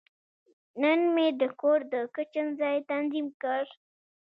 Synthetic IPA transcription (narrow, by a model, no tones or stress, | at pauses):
nənmed̪əkoɾd̪əkət͡ʃənzɑjt̪anzimkəɽ